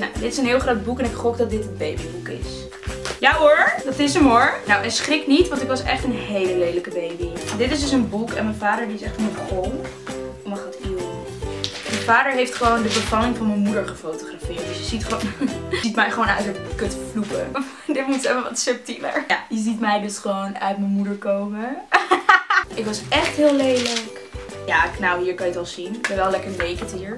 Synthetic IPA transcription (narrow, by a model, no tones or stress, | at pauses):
no̰wdɪtɪsənɦɪːlˠχrowd̚bukɛnɪkχɔkdɑt̚dɪtənbejbibukɪ̰s | jaɦʊɹdɑtɪsəmʊɹnowɛsχrɪknitʋɑ̃ntɪkʋɑsɛ̰χtənɦejləlejdələkəbejbindɪtɪsdʏs̬ənbukɛ̰nmɛnvaːdəɹdiɪsɛχtɔmənχoŋ | omɑχatiwə | mənvaːdəɹɦejftχəʋowndəbəfɑlɪŋvɑnmənmudəɹχəfowtoχrafɪːɹtsjəzitχəʋonitmɛjχəʋoːnœɥtəkɵtflukə | dɪtmutɛfəʋɑ̰tsəp̚timə̰ɹjajəzitmɛjdɵsχəʋownœ̰ɥtməmudəɹkowmə | ʔɪkʋɑsɛχtɦɪːlˠejlək | jaːknawɦiːɹkɑnjətɑlˠzindɛʋɛlˠlɛkəɹʋejkətɦiːɹ